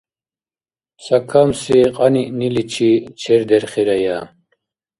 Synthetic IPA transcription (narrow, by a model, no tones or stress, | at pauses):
sɐkʰɐmsiqʼɐniʔnilit͡ʃʰit͡ʃʰɛɾd̪ɛɾχiɾɐja